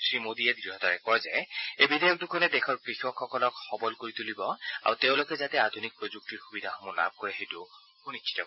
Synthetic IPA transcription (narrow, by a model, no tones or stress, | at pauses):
sɹimodijɛdiiɦɔtaɹɛkɔɹza̰jejbidajɔk̚tʊkʰɔnɛdɛxʰɔɹkɹixɔkʰxɔkɔlɔkxɔbɔlkoɹitulibɔa̰ɹuteʊ̃lʊkɛzatɛadʱunik̚pɹozuk̚tiɹxubidʱaxɔmɔla̰b̚ʱkɔɹɛɦejtʊ | xunit͡ʃʃʰi̥tɔ